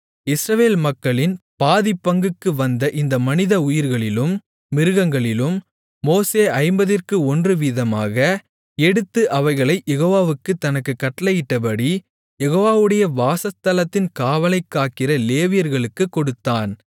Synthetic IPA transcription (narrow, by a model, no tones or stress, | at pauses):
ɪsɾɐʋeːlmɐkːɐɭɪnpaːðɪpːɐŋɡɯkːɯʋɐnd̪ɐʔɪnd̪ɐmɐnɪðɐʊjɪɾɣɐɭɪlɯmː | ɪɾɯɣɐŋɡɐɭɪlɯmː | oːseːɐɪmbɐðɪrkɯɔndrɯʋiðɐmaːɣɐ | ɛɽɯt̪ːɯʔɐʋɐɪɣɐɭɐɪjɛɣoːʋaːʋɯkːɯt̪ːɐnɐkːɯkːɐʈːɐlɐjɪʈːɐpɐɽi | jɛɣoːʋaːʋɯɽɐjɐʋaːsɐst̪ɐlɐt̪ːɪnkaːʋɐlɐɪkːaːkːɪrɐleːʋɪjɐɾɣɐɭɯkːɯkːɔɽɯt̪ːaːn